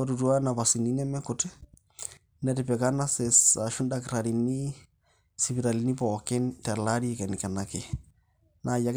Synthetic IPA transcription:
ɔɾu˨tu˦a˦na˨pa˨si˨ni˦nɛ˦mɛ˦kʊtɛ˦ | nɛɾɪpɛ˨ka˦na˦sɛ˨sa˨ʃu˦nda˦kɾa˨ɾi˨ni˦ | si˨bi˨ɾa˨li˨ni˦pɔkɛ˦ntɛ˨la˦ɾi˦ɛkɛ˨nɪka˨na˦ke˨ | nʔa˨ja˨k

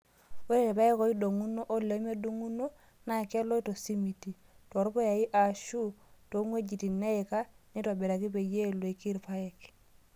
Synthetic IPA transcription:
o˦ɾe˦e˨pa˦e˦ko˨˦i˦do˨ŋu˦no˦ʔo˦le˨˦me˦du˦ŋu˦no˦ | na˨ke˦lo˦i˦to˨si˦mi˨ti˨ | to˨ɾpo˦ja˨i˦ʔa˨ʃu˦to˨˦ŋwe˦d͡ʒi˨ti˨ne˦ɪ˨ka˦ni˦to˨be˨ɾa˨ki˦pe˨je˦lo˨i˨ki˦ɾpa˦ɛ˨k

